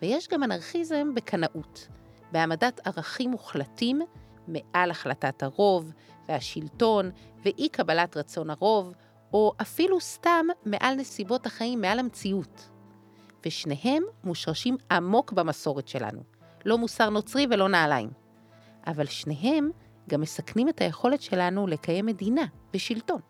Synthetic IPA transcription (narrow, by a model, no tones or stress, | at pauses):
veje̞ʃɡamanaʁχizembe̞kʰanaʔut | beamadatʰaʁaχimːuχlatimː | eʔalaχlatathaʁo̞v | veaʃilto̞nveʔikabalatʁat͡so̞naʁo̞v | o̞ʔafilustamːe̞ʔalne̞sibo̞thaχaimːealamt͡siut | veʃne̞ɦe̞mːuʃʁaʃimamo̞kbamaso̞ʁetʃe̞la̰nṵ | lo̞musaʁno̞t͡sʁive̞lo̞naːlaḭm | ʔavalʃne̞ɦe̞m | ɡamːe̞saknime̞taje̞χo̞le̞tʃe̞lanule̞kaje̞mːe̞dinav̥eʃilto̞n